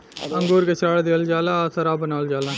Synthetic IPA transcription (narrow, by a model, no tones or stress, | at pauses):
ɐ̃ŋɡoːɾket͡ʃʰɾaːɽd̪eːld͡ʒaːlãːsɐɾaːbənaːld͡ʒaːlãː